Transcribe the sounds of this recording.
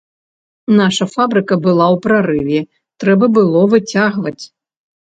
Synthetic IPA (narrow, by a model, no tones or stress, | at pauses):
naʂɐfabɾɨkɐbɨlˠawpɾaɾɨvʲɛ | t̪ɾɛbɐbɨlˠɔvɨt͡sʲaɣvɐt͡sʲ